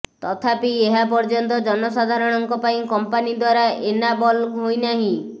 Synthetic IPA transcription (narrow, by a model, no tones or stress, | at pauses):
t̪ɔt̪ʰapieɦapɔɾd͡ʒɔnt̪ɔd͡ʒɔnɔsad̪ʱaɾɔɽ̃ɔŋkɔpaĩkɔmpanid̪waɾaʔenabɔlɦojnaɦĩ